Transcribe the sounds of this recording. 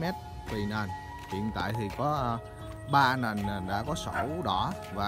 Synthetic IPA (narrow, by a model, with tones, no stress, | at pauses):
mɛ˦˥t̚ | t̪i˨˩nə˨˩n | hḭ˧˨ənt̪a̰ː˧˨jt̪ʰi˨˩kɔ˨˦˧ | ɓaː˧na˨˩na˨˩ɗa̰ː˧˥kɔ˨˦sə˧˩wɗɔ˧˥ | vaː˨˩